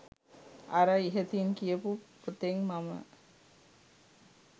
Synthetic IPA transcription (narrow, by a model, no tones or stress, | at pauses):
aɾəiɦet̪iŋkijəpuput̪eŋmamə̰